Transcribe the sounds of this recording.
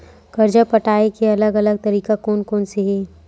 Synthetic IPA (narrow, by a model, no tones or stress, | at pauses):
kɐɾd͡ʒapɐʈaːekeɐləɡɐləɡ̚t̪ɐɾiːkakɔːnkɔːnseɦeː